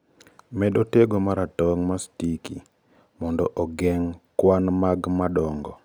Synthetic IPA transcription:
mɛɗoteɡomaɾatɔŋmastikḭ | mɔndɔʔɔɡɛŋkwanmaɡmaɗɔŋɡɔ

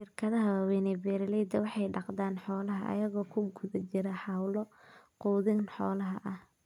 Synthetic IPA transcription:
ʃɪrkʰɐðɐɦɐwɐwɛnɛbɛːɾlɛjd̪ɐwɑħɑjɖɑqd̪aːnħɔːlɐɦɐʔɐ̰jɐɣɔːkʰʊɡʊðɐt͡ʃɪɾɐħɑwlɔ | quːðɪnħɔːlɐɦɐʔɐh

